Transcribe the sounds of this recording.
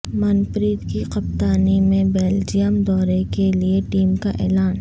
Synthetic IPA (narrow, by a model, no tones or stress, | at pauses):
mɐnpɾiːd̪kiqɐpt̪aːnimẽbeːld͡ʒijəmd̪ɔːɾekelieʈiːmkaʔɛ̰ːlaːn